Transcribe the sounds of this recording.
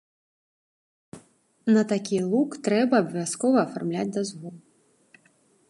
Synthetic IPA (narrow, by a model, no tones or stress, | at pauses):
nɐt̪akʲilˠukt̪ɾɛbɐːbɐvʲaskɔvɐːfarmlʲad͡zʲd̪azvu